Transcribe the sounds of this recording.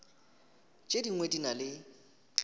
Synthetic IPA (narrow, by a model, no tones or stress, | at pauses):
t͡ʃʼediŋwedinalɪ